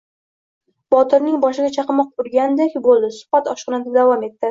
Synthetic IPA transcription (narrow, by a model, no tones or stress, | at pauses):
b̥ɒt̪ɪɾnɪŋbɒʃɪɡʲat͡ʃʰɑqɨmɒq̚ʊɾɡʲand̪ekʲbolˠd̪ɪsʊ̥bat̪ɒʃqɨnat̪ɪp̚d̪avɒme̞t̪ːɪ